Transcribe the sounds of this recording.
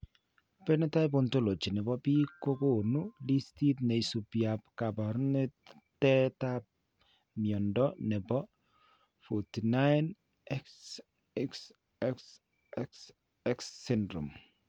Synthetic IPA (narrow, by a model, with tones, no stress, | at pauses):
pɛ˦nɛ˦ta˦jbo˨nto˦lo˨t͡ʃi˨nɛ˨bɔ˦pi˦ko˦ko˦nu˦li˦sti˦t̚ne˨jsu˨pja˨pka˨ba˨ɾne˦ | tɛ˦ta˦p̚ | mjɔ˨ndɔ˦nɛ˨bɔ˦ | fu˨ti˨na˦jn | ɛks | ɛks | ɛks | ɛks | ɛ˦ksːɪndɾṵ˨m